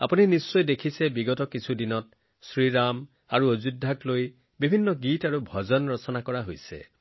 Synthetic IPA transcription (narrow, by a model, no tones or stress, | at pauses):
a̰puninisːɔjdekʰisebiɡɔtɔkit͡ʃʰudinɔt̚ | sɹiɹam | aɹuozudʱːakloj | bibʱinːɔɡitaɹubʱɔd͡ʒɔnɹɔsɔnakɔɹaɦojsḛ